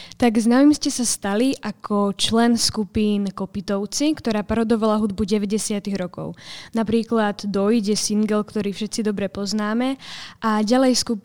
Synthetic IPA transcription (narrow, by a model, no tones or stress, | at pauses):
t̪aɡznamimscɛsast̪aliʔakʰɔt͡ʃlɛnskupiːnkɔpit̪ɔʊt͡sikt̪ɔɾaːpaɾɔd̪ɔʋalaɦud̪buɟɛʋɛɟɛsɪat̪iɣɾɔkɔ̰ʊnapɾiːklad̪d̪ɔjɟɛsiŋɡɛlkt̪ɔɾiːfʃɛt̪sid̪ɔbɾɛpɔznaːmɛʔaɟalɛjskup